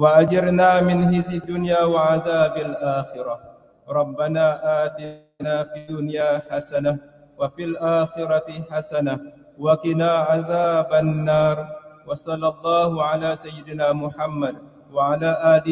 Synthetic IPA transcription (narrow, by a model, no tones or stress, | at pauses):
waʔad͡ʒɑɾnaːmɪnhɪzɪd̪ːʊnjaːwaʕaðaːbalʔaːxɪɾa | ɾˤɑbːanaːʔaːt̪ɪ | naːfiːd̪ʊnjaːħasana | wafilʔaːxɪɾˤɑt̪ħasana | wakɪnaːʕaðaːbanːaːɾˤwɑsˤɑlːɑlˤːɑːhʊʕalaːsajːɪd̪ɪnaːmʊħamːad̪ | waʕalaːʔaːlɪ